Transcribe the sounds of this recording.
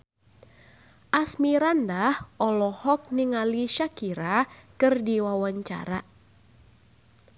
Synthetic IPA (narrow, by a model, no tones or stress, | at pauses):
ʔasmiɾandahɔlɔhɔk̚niŋaliʃakiɾakɨrdiwawaɲt͡ʃa̰ɾa